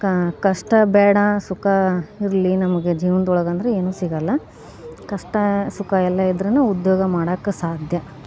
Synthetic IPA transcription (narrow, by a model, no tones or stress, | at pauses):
kɐʂʈɐbɛːɽɐsukʰɐiɾlinɐmɐɡed͡ʒiːʋɐnd̪ɔɭɐɡɐnd̪ɐɾeeːnuːsiɡɐlːɐ | kɐʂʈɐsukʰɐɛlːɐid̪ɐɾɐnːuud̪joːɡɐmaːɽɐkːesaːd̪ʱjɐ